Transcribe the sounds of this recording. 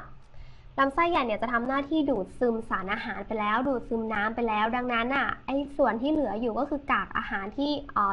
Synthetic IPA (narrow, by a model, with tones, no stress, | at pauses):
la˦˥msa˥˩jːa˨˩ni˧˥˩t͡ɕa˨˩t̪ʰa˧mnaː˥˩t̪ʰiː˥˩duː˨˩t̪̚sɯ˧msaː˩˦nʔaː˧ɦaː˩˦npa˧jlɛː˦˥wduː˨˩t̪̚sɯ˧mnaː˦˥mpa˧jlɛː˦˥wda˧ŋna˦˥nʔa˧˥˩ʔa˧jsu˨˩ənt̪ʰiː˥˩lɯ˩˦ɐjuː˨˩kɔː˥˩kʰɯː˧kaː˨˩k̚ʔa̰ː˧haː˩˦nt̪ʰiː˥˩ʔɔː˨˩